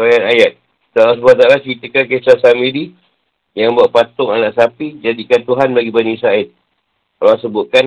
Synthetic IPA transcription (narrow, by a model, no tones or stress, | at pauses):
ajanajat̪̚ | t̪alasbat̪alaskit̪əkankesasamidi | jaŋbaʔ̚pat̪ʊŋanaʔsapid͡ʒadikant̪uɦanbaɡibanisaɪt̪̚ | kalasəbʊt̪̚kan